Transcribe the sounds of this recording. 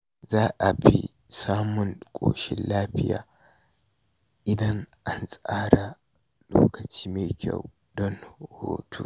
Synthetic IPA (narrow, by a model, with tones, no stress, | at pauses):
zaː˦ʔa˨ɸi˦ | saː˦mʊ˦nkʼo̰ː˨ʃɪ˦nlaː˦ɸɪ˦ja̰ː˨ | ʔɪ˦dɐ˦nʔa˨nsʼaː˦ɾa˨ | lo̰ː˦kɐ˨t͡ʃiː˦me˨kʲʰɐ̰˦˨w | dɔ˦nho̰ː˨tʰu˦